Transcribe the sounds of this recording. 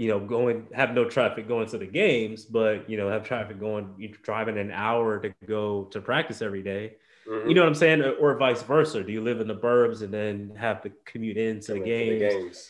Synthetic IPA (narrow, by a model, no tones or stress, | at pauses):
jɨnoʊɡoʊɪ̃ŋɨvnoʊtʰɹ̥æfɨk̚ɡ̥oʊɪ̃ŋtʰɨðɨɡẽɪ̃mzbʌt̚jɨnoʊɨv̥tʰɹ̥æfɨk̚ɡ̥oʊɪ̃ŋjɨdɹaɪvɪ̃ŋɨ̃na̰ʊə˞ɾɨɡoʊɾɨpʰɹ̥æk̚tɨsɛvɹideɪ | jɨnoʊwʌ̃ãɪmseɪɪ̃ŋɨʔə˞vaɪsvɜ˞sə˞dɨjɨlɪvɨ̃nðəbɜ˞bzɨ̃nðɨ̃nɨvðɨkʰɨmjʉɾɪ̃ntʰɨðɨɡẽɪ̃mz̃z̥